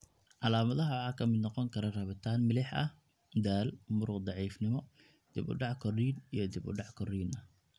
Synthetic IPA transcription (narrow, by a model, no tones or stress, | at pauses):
ʕɑlaːmɐðɐɦɐwɑħɑːkʰɐmɪd̪nɔqɔŋkʰɐɾɐrɐβɪt̪ʰaːnmɪlɪħɐ̰h | d̪aːlmʊɾʊqd̪ɑʕiːfnɪmɔ | d̪̥ɪbʊ̰ɖɑʕkʰɔriːnijɞd̪ɪbʊ̰ɖɑʕkʰɔriːnɐ